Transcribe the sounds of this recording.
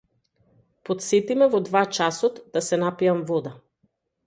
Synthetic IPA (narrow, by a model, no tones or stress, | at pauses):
pɔt̪sɛt̪imɛvɔd̪vat͡ʃasɔt̪d̪asɛnapiamvɔd̪a